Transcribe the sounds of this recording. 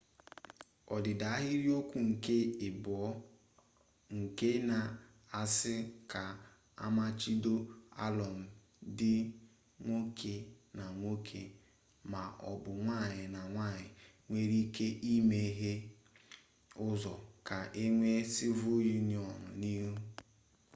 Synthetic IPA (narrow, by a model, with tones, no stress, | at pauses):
ɔ˨dɪ˨da˨a˦ɦɪ˦ɾi˦o˦kʷu˦ŋ̩˨ke˦ɪ˨bɔ˨˦ | ŋ̩˨ke˦na˨ | a˨sɪ˦ka˨ | a̰˦ma˦t͡ʃi˦do˦a̰˦lɔ˨m̩˨ | dɪ˦ | ŋʷo˦kʰe˨ | na˨ŋʷo˦kʰe˨ | ma˨ʔɔ̰˨bʊ˨ŋʷa˦˨ɲɪ˨na˨ŋʷa˦˨ɲɪ˨ | ŋʷe˦ɾi˦kʰe˦ʔi˦me˦ɦe˦ | ʊ˦zɔ˨ka˨ʔe˦ŋʷe˦sɪ˦vu˦ju˦ni˨ɔ˨nʊ̰˨ni˦ɦu˦